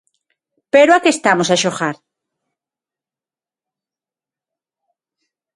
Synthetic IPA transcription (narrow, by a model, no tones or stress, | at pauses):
peɾoakest̪amosaʃoxaɾ